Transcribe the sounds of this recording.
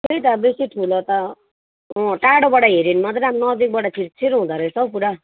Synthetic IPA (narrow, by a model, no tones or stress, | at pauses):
kejt̪abesiʈʰulʌt̪ʌ | ɔ̃ʈaɽobʌɽaɦeɾinmʌt̪ɾamnʌd̪ik̚bʌɽat͡sʰiɾt͡sʰiɾɦũd̪aɾesʌpuɾa